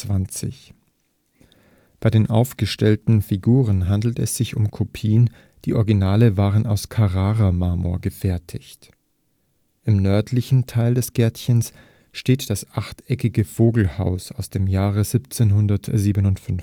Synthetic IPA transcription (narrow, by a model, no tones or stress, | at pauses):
v̥ant͡sɪ̰ç | b̥aɪdeːnʔa̰ʊfɡ̥əʃtɛltn̩fiɡuːʁ̞ənɦandl̩tɛsz̥ɪçʊmkʰopʰiːən | d̥iːʔɔɐɡinaːləvaːʁənaʊskʰaʁaːʁamaːmo̰ːɐɡəfɛɐtʰɪçt | ʔɪmnœɐtʰlɪçn̩tʰaɪldɛsɡ̥ɛɐtçəns | ʃteːtd̥asʔaχtʔɛkɪɡəfoːɡl̩ha̰ʊsaʊsd̥eːmjaːʁ̞əzipt͡seːnɦʊndɐtziːbənʊntfʏn